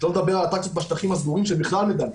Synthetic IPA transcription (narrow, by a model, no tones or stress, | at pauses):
loned̪abeʁalat̪ak̚sot̪baʃt̪aχimazɡuʁimʃebiχlalmed̪al